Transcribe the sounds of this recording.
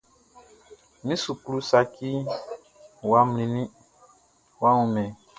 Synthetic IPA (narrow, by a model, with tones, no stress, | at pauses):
nĩ˦su˨ku˦lu˦sa˧ki˦ | wa˦mlĩ˨nĩ˦ | wa˦ũ˨mɛ̃˨